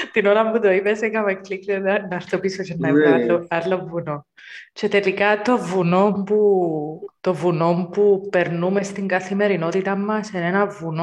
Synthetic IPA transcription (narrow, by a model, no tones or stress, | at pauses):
t̪inoɾɐmput̪oipesekɐmeklikleɐnɐst̪opisot͡ʃenːɐiɐoɐlːovuno | t͡ʃet̪e̞likɐt̪o̞vuno̞mpu | t̪o̞vuno̞mpupe̞ɾnume̞st̪iŋɡɐθime̞ɾino̞t̪it̪ɐmːɐsenenɐvuno